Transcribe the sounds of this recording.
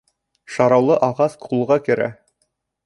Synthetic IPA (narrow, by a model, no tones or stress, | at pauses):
ʃɑɾɑwlˠɤʔɑʁɑsqʰulˠʁɑkɘ̆ɾæ̰